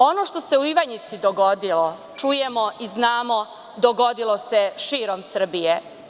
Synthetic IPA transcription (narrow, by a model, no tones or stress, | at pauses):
o̞no̞ʃt̪oseuiʋaɲit̪sid̪oɡo̞d̪ilo | t͡ʃujemo̞ʔiznaːmo̞ | d̪oɡo̞d̪ilˠo̞seʃiːɾomsr̩bije